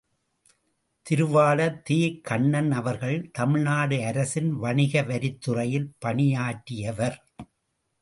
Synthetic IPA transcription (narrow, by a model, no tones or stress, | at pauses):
t̪ɪɾɯʋaːlɐt̪iːkʰːɐɳːɐnɐʋɐɾɣɐɭt̪ɐmɪɻnaːɽɯɐɾɐsɪnʋɐɳɪɣɐʋɐɾɪt̪ːɯrɐjɪlpɐɳɪjaːʈːɪjɐʋɐɾ